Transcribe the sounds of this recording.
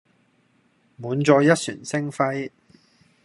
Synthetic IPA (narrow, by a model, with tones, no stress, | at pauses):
muː˨˥nt͡sɔː˧jɐ˥t̚sy̰ː˨˩nsɪ˥ŋfɐ˥j